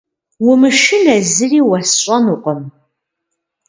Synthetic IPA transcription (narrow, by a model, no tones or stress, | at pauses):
wʊmɨʃɪnɐzɨriːwɐsɕʷʼɐnuqʷʼəm